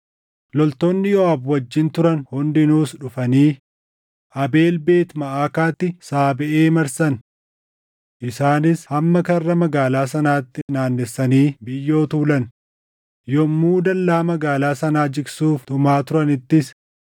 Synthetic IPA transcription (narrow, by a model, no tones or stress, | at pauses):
lɔlt̪ɔnːɪjɔɐːbwɐd͡ʒːɪnt̪ʊɾɐnhʊnd̪ɪnuːsᶑʊfɐniː | ʔɐbe̞ːlbeːt̪mɐʔaːkaːt̪ːɪsaːbɛʔeːmɐɾsɐn | ʔɪsaːnɪshɐmːɐkɐrːɐmɐɡaːlaːsɐnaːt̪ːɪnaːnːɛsːɐniːbɪjːo̞ːt̪uːlɐn | jɔmuːd̪ɐlːaːmɐɡaːlaːsɐnaːd͡ʒɪɡsuːft̪ʊmaːt̪ʊɾɐnɪt̪ːɪs